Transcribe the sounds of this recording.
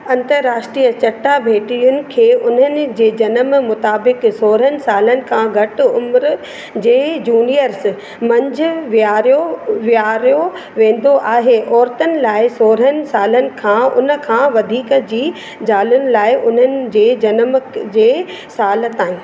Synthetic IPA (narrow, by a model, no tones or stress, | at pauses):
ɐ̃nt̪əɾːaːʃʈɾiːjət͡ɕɐʈːabʱeːʈijʊnɪ̆kʰeːʊn̤ənɪ̆d͡ʑeːd͡ʑɐnəmmʊt̪aːbɪksoːɾɦənɪ̆saːlənɪ̆kʰãːɡʱɐʈɪʊmɾ | d͡ʑeːd͡ʑuːnijəɾs | mɐ̃ɲd͡ʑʱʊʋiaːɾjoʋijaːɾjo | ʋẽːn̆d̪oʔaːɦeʔɔːɾt̪ənɪ̆laːɪsoːɾɦənɪ̆saːlənɪ̆kʰãʊ̰nə̆kʰãːʋɐd̪ʱiːkəd͡ʑiː | d͡ʑaːlʊnɪ̆laːɪʔʊn̤ənɪ̆d͡ʑeːd͡ʑɐnmd͡ʑeː | saːlət̪aːɦɪ̃ː